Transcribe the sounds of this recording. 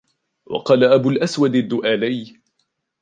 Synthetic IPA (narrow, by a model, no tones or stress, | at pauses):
wɑ̰qɑːlaʔabʊlʔaswad̪ad̪ːʊʔaːlaj